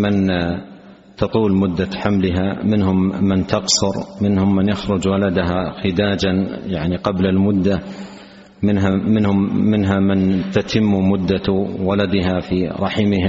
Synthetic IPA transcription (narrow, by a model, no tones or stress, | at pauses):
mɪn | t̪ɑt̪ˤuːlmʊd̪ːaħamlɪɦamɪnhʊmːɪnt̪ɑqsʊɾmɪnhʊmːɪnjaxɾʊd͡ʒwalad̪aɦaxɪd̪aːd͡ʒanjaʕniqɑblalmʊd̪ːa | mɪnɦamɪnhʊmːɪnɦamɪnt̪at̪ʰɪmːmʊd̪ːawalad̪ɪɦafiɾˤɑħmɪha